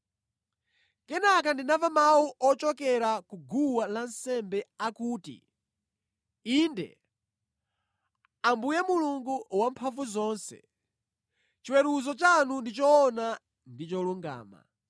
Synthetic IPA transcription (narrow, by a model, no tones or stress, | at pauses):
kɛnak̬andinavamawuʔɔt͡ʃɔkɛɾakuɡuwalansɛmbɛakuːtḭ | iːndɛ̰ | ambujɛmuluŋɡuwampʰaɱvuzɔːnsɛ̰ | t͡ʃiwɛɾuzɔt͡ʃanundit͡ʃɔːna | ndit͡ʃɔluŋɡa̰ːma̰